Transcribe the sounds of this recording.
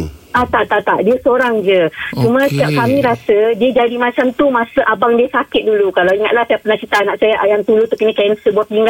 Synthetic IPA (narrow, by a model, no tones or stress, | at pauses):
at̪aʔt̪aʔt̪aʔdiəsoɾaŋd͡ʒət͡ʃumə̃sə̥t̪iap̚kamĩɾasədiəd͡ʒadimat͡ʃamt̪umãsəʔabaŋdiəsakɪt̪̚dulukalawiŋa̰t̪̚lahsajapənaht͡ʃit̪aːnaʔsajaʔajaŋt̪ulut̪ukənəkaənsəbuap̪iŋɡa